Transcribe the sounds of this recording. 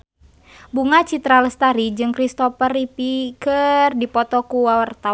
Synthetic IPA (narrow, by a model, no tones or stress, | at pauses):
buŋat͡ʃit̪ɾaləst̪aɾid͡ʒɨŋkɾist̪ɔpəripikərdipɔt̪ɔkuwawart̪a